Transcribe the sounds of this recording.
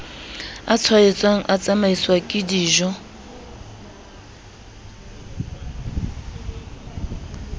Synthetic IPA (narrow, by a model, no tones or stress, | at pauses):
at͡sʰwaɛt͡sʼwaŋ̩ʔat͡sʼamaiswakʼɪdiːʒɔ